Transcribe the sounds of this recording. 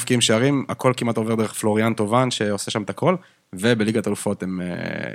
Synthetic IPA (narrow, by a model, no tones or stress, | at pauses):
fkiimʃeaʁima̰ko̞lkimat̪o̞ved̪e̞eχflo̞ʁiant̪o̞vanʃe̞o̞seʃamt̪ako̞l | ve̞beliɡat̪alufo̞t̪emḛ